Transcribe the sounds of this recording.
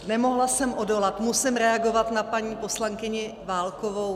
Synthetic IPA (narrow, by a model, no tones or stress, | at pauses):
nɛmo̞ɦlasɛmʔo̞do̞lat̪musɪmɾɛaɡo̞vat̪napaɲiːpo̞slaŋkɪɲɪ | vaːlkovo̞w